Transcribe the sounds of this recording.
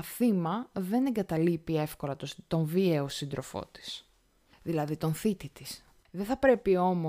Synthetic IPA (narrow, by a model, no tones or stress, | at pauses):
ɐθimɐðe̞ne̞ŋɡɐt̪ɐlipie̞fko̞lɐt̪ot̪o̞ɱvieosind̪ɾo̞fo̞̰t̪i̥s | ðilɐðit̪o̞nθit̪it̪is | ðeθɐpɾe̞pio̞mo